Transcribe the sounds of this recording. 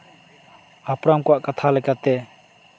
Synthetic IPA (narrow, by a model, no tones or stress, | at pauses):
apɾamkwaʔkat̪ʰalakat̪e